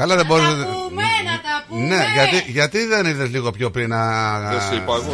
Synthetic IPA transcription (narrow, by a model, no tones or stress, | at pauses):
kɐlɐðebo̞ɾeset | ne̞ʝɐt̪iʝɐt̪iðe̞niðe̞zliɣo̞pço̞pɾinɐespɐ